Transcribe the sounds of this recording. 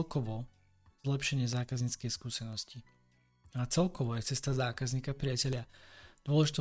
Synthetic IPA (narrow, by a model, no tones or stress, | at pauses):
lkɔʋɔ | zlɛpʃɛɲɪɛzaːkazɲiːt͡skɛjskuːsɛnɔsci | at͡sɛlkɔʋɔjɛt͡sɛst̪azaːkazɲiːkapɾɪacɛʎɪad̪̥ʊɔlɛʒit̪ɔ